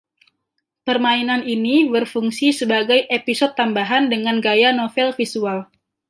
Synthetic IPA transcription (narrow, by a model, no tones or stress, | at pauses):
pərmainaninibərfuŋsisəbaɡajʔepisɔd̪̚t̪ambaɦandəŋanɡajanofɛlfisual